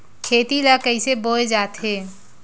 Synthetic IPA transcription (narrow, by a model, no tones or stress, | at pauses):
kʰeːt̪ilakəɪseboed͡ʒaːt̪ɦe